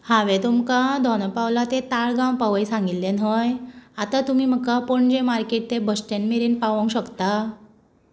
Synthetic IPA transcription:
haʋet̪umkad̪ʱɔnəpawlat̪et̪aɭɡãwpaʋəjsãŋɡillenɦəjat̪at̪um̤iːm̤əkːapoɳd͡ʑemaɾkeʈ̚t̪ebəsʈenmeɾiːnpaʋə̃ŋkɕəkt̪a

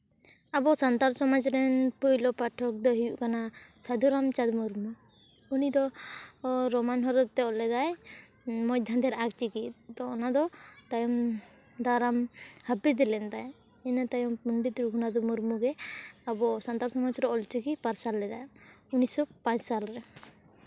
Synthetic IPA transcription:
abɔsant̪aɾsɔmad͡ʒɾɛnpujlɔpaʈʰɔk̚d̪ɔɦijuʔkanasad̪ʱuɾamt͡ʃad̪muɾmu | unid̪ɔ | ɾɔmanɦɔɾɔt̪̚t̪ɛɔlɛd̪aj | mɔjd̪ʱand̪ɛɾak̚t͡ʃikit̪̚t̪ɔːnad̪ɔt̪ajɔm | d̪aɾamhabid̪ilɛnd̪aj | ɛnat̪ajɔmpunɖit̪ɾuɡʱunad̪ɔmuɾmuɡɛabɔsant̪aɾsɔmad͡ʒɾɔɔlt͡ʃikipaɾsalːɛd̪a̰j | unisɔpãt͡ʃsalɾɛ

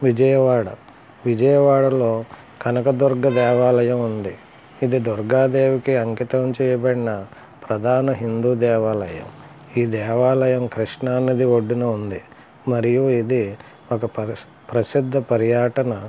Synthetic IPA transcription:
ʋid͡ʒɐjɐʋaːɽɐ̰ | ʋid͡ʒɐjɐʋaːɽɐlo̞ː | kɐnɐkɐd̪uɾɡɐd̪ɛːʋaːlɐjɐmund̪i | id̪id̪uɾɡaːd̪eːʋikiɐŋkit̪ɐmt͡ʃɛːjɐbɐɽinɐ | pɾɐd̪ʱaːnɐɦind̪uːd̪ɛːʋaːlɐjɐ̰m | iːd̪ɛːʋaːlɐjɐmkɾiʂɳaːnːɐd̪ioɖːinɐund̪i | mɐɾijuid̪i | ɔkɐp | pɾɐsid̪ʱːɐpɐɾjaːʈɐnɐ

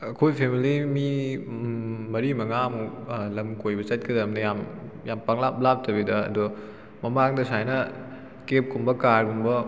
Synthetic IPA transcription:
ɐkʰojpʰemilimi | mɐɾimɐŋaɐmulɐmkojbɐt͡ʃɐt̚kɐdɐmnɐjamjampaŋlap̚lap̚tɐbidɐɐ̰du | mɐmaŋdɐsajnɐ | kep̚kumbɐkaɾkumbɐ

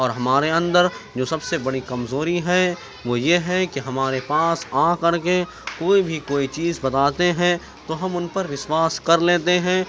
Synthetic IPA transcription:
ɔːɾɦɐmaːɾeɐ̃nd̪əɾd͡ʒoːsɐbsebɐɽikɐmzoːɾiɦɛ | ʋoːjeɦɛkiɦɐmaːɾepaːsãːkɐɽke | koːibʱikoːit͡ʃiːzbɐt̪aːt̪eɦɛ̃ | t̪oːɦɐmʊnpɐɾʋɪʃwaːskɐɾleːt̪eɦɛ̃ː

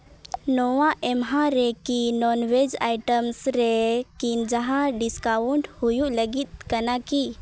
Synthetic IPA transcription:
noʋãʔemɦãɾekinɔnʋed͡ʒajʈəmsɾekind͡ʒəɦãɖiskauɳɖhujuləɡit̪̚kənaki

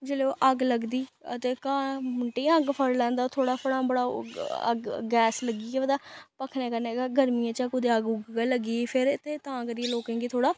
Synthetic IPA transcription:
d͡ʒeːleːoːʔəɡləɡd̪iːət̪eːkãːmʊɳʈẽːəɡpʰəɾlɛ̃ːnd̪aːt̪ʰoːɽaːpʰəɽãːbəɽaːə̰ɡɡɛːsləɡiːkɛːʋəd̪aːpəkʰneːkəneːɡaɡəɾmijãːt͡ʃəkʊd̪eəɡʊɡɡaləɡiːepʰɪɾt̪eːt̪ãːkəɾiẽloːkẽːŋɡiːt̪ʰoːɽaː

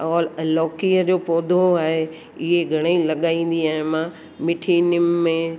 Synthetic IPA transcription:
ɔːllɔːkiːəd͡ʑoːpɔːd̪ʱoaːɦe | ɪɦeɡʱɐɽ̃eilɐɠaːĩːn̆d̪iaːɦɪ̃mã | mɪʈʰiːnɪmːẽ

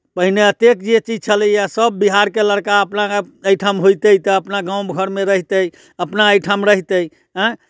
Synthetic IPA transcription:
pəɦineət̪ek̚d͡ʒet͡ʃid͡ʒt͡ʃʰələasəbːiɦaɾkeləɽkaəpnaəjʈʰəmɦojt̪əjt̪əəpnaɡãwmɡʱəɾmeɾəɦit̪əj | əpnaəjʈʰəmɾəɦit̪əj | ɦə̃

